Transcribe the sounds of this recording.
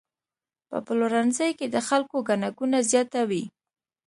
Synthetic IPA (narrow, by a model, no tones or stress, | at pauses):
pə̰plʊɾanzəjked̪əxalkoɡanaɡunazjɑt̪awi